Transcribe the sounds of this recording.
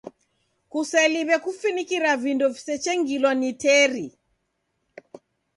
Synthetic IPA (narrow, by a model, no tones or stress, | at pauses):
kusɛliβɛkufinikiɾavindɔvisɛt͡ʃɛŋɡilwanitɛɾi